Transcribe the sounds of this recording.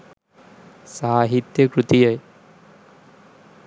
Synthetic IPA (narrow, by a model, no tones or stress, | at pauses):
saːɦit̪jɐkɾut̪ijɐj